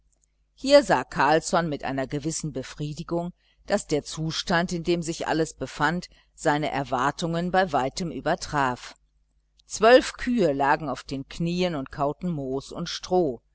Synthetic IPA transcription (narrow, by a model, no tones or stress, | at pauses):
hiːɐza̰ːkʰaɐlsɔnmɪtʔa̰ɪnɐɡəvɪsn̩bəfʁ̥iːdɪɡʊŋ | d̥asd̥eːɐt͡suːʃtantɪndeːmzɪçʔa̰ləsb̥əfant | z̥aɪnəʔɛ̰ɐvaɐtʊŋənbaɪvaɪtəmʔyːbɐtʁ̥aːf | t͡sv̥œlfkʰyːəlaːɡŋ̩aʊfd̥eːnkʰniːənʊnt̚kʰaʊtn̩moːsʊ̰ntʃtʁ̥oː